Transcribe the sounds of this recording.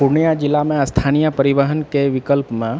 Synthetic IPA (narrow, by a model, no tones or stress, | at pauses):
puɾnijad͡ʒilːamẽəst̪ʰanijəpəɾiʋəɦənkeʋikəlpmẽ